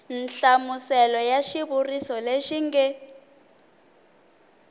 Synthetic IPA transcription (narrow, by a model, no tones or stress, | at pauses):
n̩ɬamusɛlɔjaʃiβurisɔleʃiŋɡɛ